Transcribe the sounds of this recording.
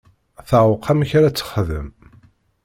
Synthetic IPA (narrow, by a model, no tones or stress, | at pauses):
θəʕwʊqʰːæmçɾæt͡sːə̥χðə̰m